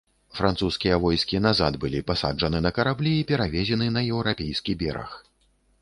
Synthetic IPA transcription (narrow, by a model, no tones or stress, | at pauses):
fɾant̪suskʲijɐvɔjskʲinazad̪bɨlʲipasa̰d͡ʐʐɐnɨnɐkɐɾablʲiːpʲɛɾavʲɛzʲɛnɨnɐjɛwɾapʲejskʲibʲɛ̰ɾɐ̰x